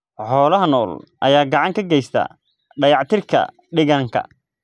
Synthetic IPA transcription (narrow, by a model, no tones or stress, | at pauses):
ħɔːlɐɦɐnɔːlʔɐjaːɡɑʕɑŋkʰɐɡɛjst̪ʰɐ̰ː | ɖɐjɑʕt̪ʰɪrkʰɐ̰ | ɖɪɣɐŋkʰɐ̰